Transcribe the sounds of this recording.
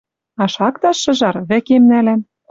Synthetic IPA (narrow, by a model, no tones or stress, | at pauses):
ɑʃɑkt̪ɑʃːɤ̆ʒɑrβɘ̆kemnælæm